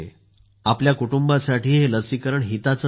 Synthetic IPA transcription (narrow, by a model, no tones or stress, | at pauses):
apljakuʈumbasaʈiːɦeləsikəɾəɳɦit̪at͡sə